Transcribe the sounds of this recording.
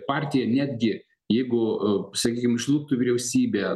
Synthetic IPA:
pɑːɾʲt̪ʲɪjɛnʲæːd̪ʲɡʲɪ | jɛɪɡʊsɐkʲiːkʲɪmɪʃlˠuːk̚t̪uːʋʲiɪɾʲɛʊsʲiːbʲeː

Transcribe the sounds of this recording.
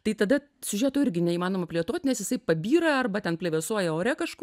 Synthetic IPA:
t̪ɐɪt̪ɐd̪ɐ | sʲʊʒʲæːt̪oːɪɾʲɡʲɪnʲɛiːmɑːnoːmɐpʲlʲieɛt̪oːt̪ʲnʲɛsjɪsɐɪpɐbʲiːɾɐɐrbɐt̪ʲɛnpʲlʲeːʋʲɛːsuɔjɛoːɾʲɛkɐʃkʊ

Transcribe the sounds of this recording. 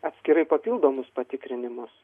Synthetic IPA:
ɐt̪ʲsʲkʲɪɾɐɪpɐpʲilˠd̪oːmʊspɐt̪ʲɪkɾʲɪnʲɪmʊs

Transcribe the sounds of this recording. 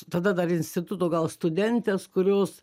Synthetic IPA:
t̪ɐd̪ɐd̪ɐrɪnʲsʲt̪ʲɪt̪ʊt̪oːɡɐlˠst̪ʊd̪ʲɛnʲt̪ʲeːskʊɾʲoːs

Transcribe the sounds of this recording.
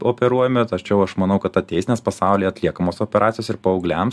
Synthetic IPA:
oːpʲɛɾuɔjɛmʲɛt̪ɐt͡ʃʲɛʊɐʃmɐnɐʊkɐt̪t̪ɐt̪ʲɛɪsʲneːspɐsɑˑʊlʲiːjɛɐt̪ʲlʲiɛkɐmoːsoːpʲɛɾʔɑːt̪ʲɪjoːsɪɾpɐɔʊɡlʲɛm

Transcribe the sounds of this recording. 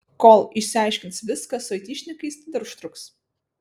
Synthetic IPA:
koːlˠɪʃʲsʲɪɑˑɪʃʲkʲɪnt̪sʋʲɪskɐsʊɐt̪ʲiːʃʲnʲɪkɐɪst̪ʲɪd̪ɐɾʊʃt̪ɾʊks

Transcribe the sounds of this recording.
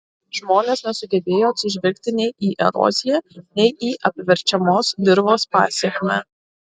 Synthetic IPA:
ʒmoːnʲeːsnʲɛsʊɡʲɛbʲeːjoːɐt̪ʲsʲɪʒʲʋʲɛlʲk̚ʲt̪ʲɪnʲɛɪʔiːʔɛɾɔ̰ːzʲɪjɛnʲɛɪʔiːʔɐpʲʋʲɛɾʲt͡ʃʲɛmoːsd̪ʲɪɾʋoːspɑ̰ːsʲiɛkʲmʲɛ

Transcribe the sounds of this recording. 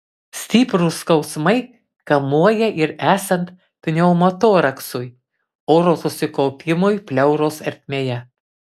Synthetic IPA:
sʲt̪ʲiːpɾʊskɐʊsmɐɪ | kɐmuɔjɛʔɪɾæːsɐnt̪ | pʲnʲɛʊmot̪oːɾɐksʊj | oːɾoːsʊsʲɪkɔʊpʲɪmʊjpʲlʲɛʊɾoːsɐɾʲt̪ʲmʲeːjɛ

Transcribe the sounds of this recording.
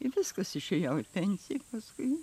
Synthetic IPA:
ɪʋʲɪskɐsɪʃʲejɛʊɪpʲɛnʲsʲɪjɛpɐskʊɪ

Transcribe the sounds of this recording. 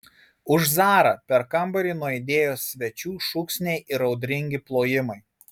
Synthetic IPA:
ʊʒzɑːɾɐːpʲɛɾkɐmbɐɾʲiːˑnuɔɪd̪ʲeːjoːsʲʋʲɛt͡ʃʲuːʃʊksʲnʲɛɪʔɪɾɒʊd̪ʲɾʲɪŋʲɡʲɪplˠoːjɪmɐɪ

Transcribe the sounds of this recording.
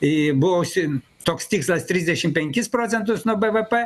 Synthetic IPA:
ɪbʊʋosʲɪ | t̪oːkst̪ʲiːkslˠɐst̪ʲɾʲɪzʲd̪ʲɛʃʲɪmpʲɛŋʲkʲɪspɾoːsʲɛnt̪ʊsnuɔbɛʋɛpɛ

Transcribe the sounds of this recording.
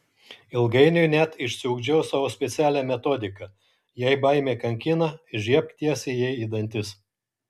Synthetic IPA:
ɪlˠɡɐɪnʲʊjnʲæt̪ɪʃʲsʲɪʊɡd͡ʒʲɛʊsɑːʋoːsʲpʲɛt̪sʲæːlʲæːmʲɛt̪oːd̪ʲɪkɐ | jɛɪbɐɪmʲeːkɐŋʲkʲɪnɐʒʲiɛp̚t̪ʲiɛsʲɪjɛɪid̪ɐnʲt̪ʲɪs

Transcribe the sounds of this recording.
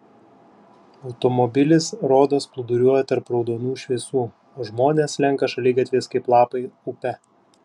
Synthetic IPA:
ɒʊt̪ɔmɔbʲɪlʲɪsɾoːd̪osplˠʊd̪ʊɾʲuɔjɛt̪ɐɾpɾɒʊd̪oːnuːʃʲʋʲiɛsuː | oːʒmoːnʲeːslʲɛŋˑkɐʃɐlʲiɡɐt̪ʲʋʲeːskɐɪplˠɑːpɐɪupʲɛ

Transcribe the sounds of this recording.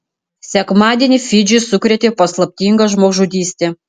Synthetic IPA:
sʲɛkmɑːd̪ʲeːnʲɪfʲɪd͡ʒʲɪsʊkɾʲɛt̪ʲeːpɐslˠɐpʲt̪ʲiŋɡɐʒmoːʒud̪ʲiːsʲt̪ʲeː

